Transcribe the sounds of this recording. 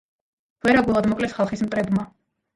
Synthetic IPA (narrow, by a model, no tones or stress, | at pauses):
vɛɾaɡulˠad̪mɔkʼlɛsχalˠχismt̪ʼɾɛd̪ma